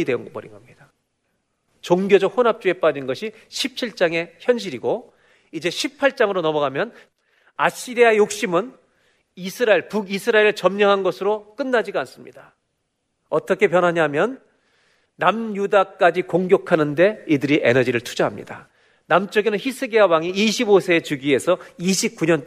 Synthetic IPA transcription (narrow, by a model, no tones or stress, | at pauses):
idwe̞ɯnɡʌpʌɾḭnɡʌmɲid̥a | t͡ɕoŋɡjod͡ʑʌk̚honɦap̚t͡ɕ͈ue̞p͈ad͡ʑinɡʌɕʰi | ɕʰip̚t͡ɕʰiɭt͡ɕ͈aŋe̞çjʌnɕ̬ʰiɾiɡo | id͡ʑe̞ɕʰipʰaɭt͡ɕ͈aŋɯɾonʌmʌɡamjʌn | a̰ɕ͈ʰiɾiajok̚ɕ͈imɯn | isʰɯɾaiɭpuɡisʰɯɾaeɾɯɭt͡ɕʌmɲʌŋɦanɡʌsʰɯɾok͈ɯnːad͡ʑiɡans͈ɯmɲḭd̥a | ʌt͈ʌkʰe̞pjʌnɦaɲamjʌnː | amjudak͈ad͡ʑikoŋɡjʌkʰanɯnde̞idɯɾiʔe̞̰nʌd͡ʑiɾɯɭtʰud͡ʑaɦamɲḭda | namt͡ɕ͈ʌɡenɯnçisʰɯɡeawaŋiiɕʰibosʰe̞ːt͡ɕuɡie̞sʰʌiɕʰip̚k͈uɲʌn